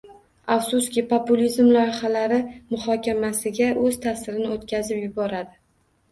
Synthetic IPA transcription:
afsuskʲɪpʰopulʲizmlajχalaɾɪmʊχɒkʲʰamasɪɡʲaʔɵzt̪ʰasɪɾɪnɪot̪kʲʰazɪpjʊbɒɾad̪ɪ

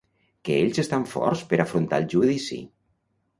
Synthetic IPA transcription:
keeʎzest̪aɱfɔ̰ɾspəɾafɾunt̪a̰lˠʒuðisḭ

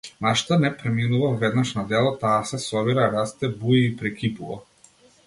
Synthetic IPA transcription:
naʃt̪anɛpɾɛminuvavɛd̪naʃnad̪ɛlˠɔt̪aːsɛsɔbiɾaɾast̪ɛbuiːpɾɛkʲipuva̰

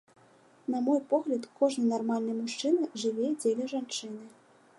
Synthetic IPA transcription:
namɔjpɔɣlʲɐt̪kɔʐnɨjnarmalʲnɨjmuʂt͡ʂɨnɐʐɨvʲed͡zʲelʲɛʐant͡ʂɨnɨ

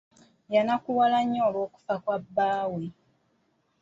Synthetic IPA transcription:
janakuwalaɲːoːlwo̞ːku̥fakwabːaːwe

